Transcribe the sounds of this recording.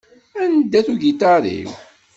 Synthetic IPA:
ænd̪ːæθuʝit̪aɾḭw

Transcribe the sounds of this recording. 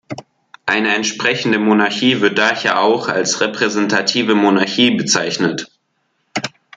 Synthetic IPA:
ʔaɪnəɛntʃpʁ̥ɛçn̩dəmonaɐçiːvɪɐt̚d̥aːheːɐʔaʊχa̰lsʁepʁ̥ɛzɛntʰatʰiːvəmonaɐçiːbət͡saɪçnət

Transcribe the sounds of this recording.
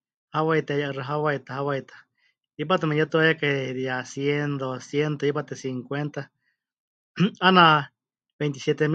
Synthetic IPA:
hawait̪ejaʔɨraɦawait̪ahawajt̪ḁ | ip̬at̪emẽjat̪uajakeðjasjend̪osjent̪oipat̪esiŋkwent̪a | ana | bejnt̪̬isjet̪em

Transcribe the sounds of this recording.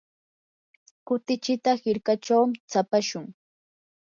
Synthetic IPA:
kʊt̪ɪt͡ʃɪt̪ahɪɾkat͡ʃawmɪt͡sapaʃʊŋ

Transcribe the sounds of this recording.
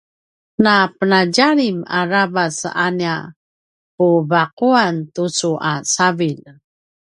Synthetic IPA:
napənaɟaɾima̰ɾabasania | pubaquantut͡suʔasavil

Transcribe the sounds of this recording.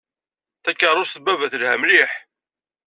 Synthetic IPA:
θækːərˤːʊsθbævæθəlhæmliħ

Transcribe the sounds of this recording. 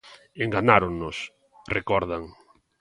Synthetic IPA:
eŋɡanaɾoŋnos | rekɔɾðaŋ

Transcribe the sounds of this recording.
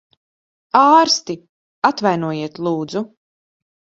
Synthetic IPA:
aːɾst̪i | at̪vajnuɔjiɛt̪lˠuːd̪zu

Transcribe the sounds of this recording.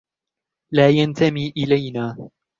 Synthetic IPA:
laːjant̪amiːʔɪlajnaː

